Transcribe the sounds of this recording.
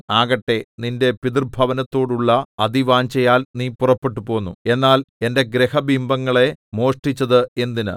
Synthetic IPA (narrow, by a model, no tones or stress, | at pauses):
aːɣɐʈːe̞ninde̞piðirbʱɐʋɐnɐt̪ːo̞ːɽuɭːɐɐðiʋaːɲt͡ɕejaːlniːpurɐpːe̞ʈ̬ːupo̞ːnːue̞nːaːle̞nde̞ɡɾehɐbʱimbɐŋːɐɭe̞mo̞ːʂʈit͡ɕːɐðɨe̞nd̪inɨ̰